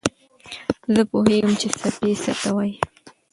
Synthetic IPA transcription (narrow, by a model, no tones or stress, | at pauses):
zəpʊhiʊmt͡ʃɪsapisat̪awaj